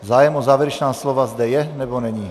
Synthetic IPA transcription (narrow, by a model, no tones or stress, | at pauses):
zaːjɛmɔzaːvɛɾɛt͡ʃnaːslɔvazd̪ɛjɛnɛbonɛɲiː